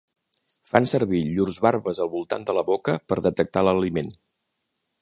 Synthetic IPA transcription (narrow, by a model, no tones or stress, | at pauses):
fansəɾβiʎurzβaɾβəzəlˠβulˠt̪a̰nd̪ələβokəpəɾðət̪ək̚t̪aləlimen